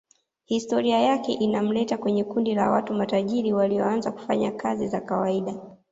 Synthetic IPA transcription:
histɔɾiajakɛʔinam̩lɛtakwɛɲɛkundila̰watumataʄiɾiwaliɔanzaku̥faɲakʰazizakawaiɗa

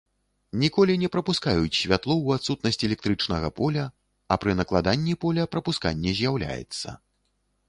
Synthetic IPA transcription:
nʲikɔlʲinʲɛpɾɐpuskajut͡sʲsʲvʲat̪lˠɔwat̪sut̪̚nɐsʲt͡sʲɛlʲɛk̚t̪ɾɨt͡ʂnɐɣɐpɔlʲɐ | ɐpɾɨnɐklˠad̪anʲːipɔlʲɐpɾɐpuska̰nʲːɛzʲjawlʲa̰jɛ̰t̪sːɐ̰

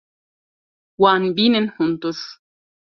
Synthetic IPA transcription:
wanbinen̩hunt̪us

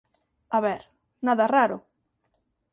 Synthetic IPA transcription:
aβɛɾ | naðaraɾʊ

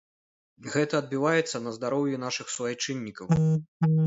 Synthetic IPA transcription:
ɣɛt̪ɐːd̪̚bʲivajɛt̪sːɐnɐzd̪aɾɔwjun̪aʂɨxsuvajt͡ʂɨnʲːikɐw

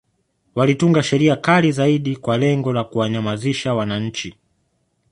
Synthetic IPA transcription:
walituŋɡaʃɛɾiakalizaiɗikwalɛŋɡɔlakuwaɲamaziʃawanaɲ̩t͡ʃi

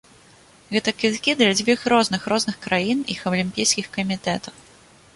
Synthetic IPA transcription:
ɣɛt̪ɐkʲit̪kʲid̪lʲad͡zʲvʲixɾɔznɨxɾɔznɨxkɾajinḭxɐwlʲimʲpʲijskʲixkɐmʲit̪ɛt̪ɐw

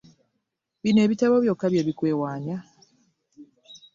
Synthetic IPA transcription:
βine̞ːβitaβoβjokːaβjeβikwe̞ːwaːɲa

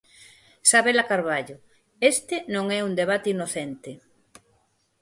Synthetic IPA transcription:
saβelakaɾβaʎʊ | est̪ɪnõŋɛund̪eβ̞at̪einoθent̪e

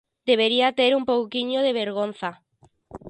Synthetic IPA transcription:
d̪̥eβ̞eɾiat̪eɾumpowkiɲoð̞eβeɾɣ̞on̟θa

